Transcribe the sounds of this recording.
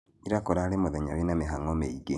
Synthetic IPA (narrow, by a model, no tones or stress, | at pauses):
iɾakoɾaɾemoðeɲaɾinameɦaŋomeiɡe